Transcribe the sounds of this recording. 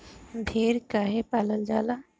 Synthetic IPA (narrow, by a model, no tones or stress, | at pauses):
b̪ʱeːɾkaɦepaːləld͡ʒaːlaː